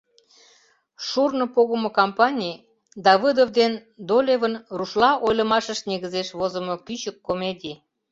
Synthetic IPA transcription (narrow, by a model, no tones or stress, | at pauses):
ʃurnŏpoɣəmŏkompɑnʲij | d̪ɑβid̪ovd̪end̪olʲevənruʃlɑʔojlə̆mɑʃəʃneɣəzeʃβozə̆mokyt͡ɕəkːomedʲi